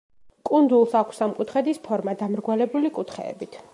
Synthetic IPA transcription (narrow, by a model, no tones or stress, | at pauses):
kʼund̪ulˠsakʷʰsamkʼut̪ʰχɛd̪ispʰɔɾmad̪amɾɡwalɛbulikʼut̪ʰχɛ̰ːbit̪ʰ